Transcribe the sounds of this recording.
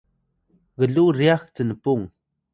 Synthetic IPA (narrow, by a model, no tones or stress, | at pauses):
ɣəɮurijaxt͡sənəpuŋ